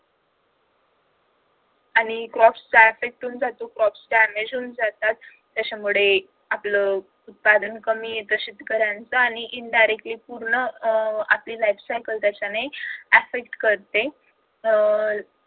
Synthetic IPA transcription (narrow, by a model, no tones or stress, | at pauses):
aɽ̃ikɾɔfst͡saefek̚ʈuːnd͡zat̪okɾɔfsɖæmed͡ʑuːnd͡zat̪at̪ː | jat͡ɕamuɭe | aplə | ut̪̚pad̪ənkəmiːet̪əɕit̪kəɾjant͡səaɽ̃iʔiɳɖajɾekʈliːpuɾɳəapliːlajfsajkəlt̪jat͡ɕaneæfek̚ʈkəɾt̪e